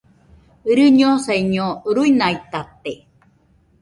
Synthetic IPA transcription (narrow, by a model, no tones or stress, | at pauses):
ɨɾɨɲoseɲoɾuinait̪at̪e